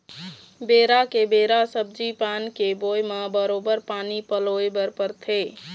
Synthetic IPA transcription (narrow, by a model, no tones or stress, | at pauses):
beɾakebeɾasəb̚d͡ʒipankebojməbəɾobəɾpanipəloebəɾpəɾt̪ʰe